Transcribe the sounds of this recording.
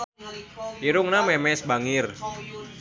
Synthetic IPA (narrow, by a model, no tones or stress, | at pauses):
iɾʊŋnamɛmɛsbaŋɪr